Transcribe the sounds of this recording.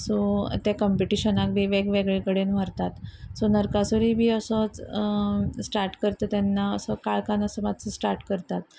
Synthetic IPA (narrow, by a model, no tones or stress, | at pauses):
sot̪jakəmpiʈiɕənak̚bʱiːʋeɡʋeɡɭekəɭenʋ̤aɾt̪at̪sonəɾkasoɾiːbʱiːəsət͡s | sʈaɾʈkəɾt̪ət̪janːaəsəkaɭkanəsəmad̪ʱt͡səsʈaɾʈkəɾt̪at̪